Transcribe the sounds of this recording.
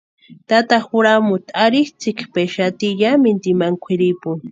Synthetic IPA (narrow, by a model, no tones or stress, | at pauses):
t̪at̪axʊɾamʊt̪aɾiht͡sɪkpeʃat̪iʎamɪnt̪imaŋkʷʰiɾipʊŋ